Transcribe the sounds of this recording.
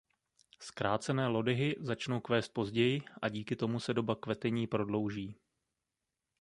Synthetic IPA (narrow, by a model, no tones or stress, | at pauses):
skɾaːt͡sɛnɛːlo̞dɪɦɪzat͡ʃno̞wkvɛːst̪̚po̞zɟɛjɪʔaɟiːkɪt̪o̞musɛdo̞bakvɛt̪ɛɲiːpɾo̞dlo̞wʒiː